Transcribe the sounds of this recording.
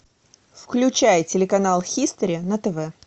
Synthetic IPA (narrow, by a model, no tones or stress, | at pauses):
fklʲʉt͡ɕæjtʲɪlʲɪkɐnalˠxʲist̪əɾʲɪnət̪ɛvɛ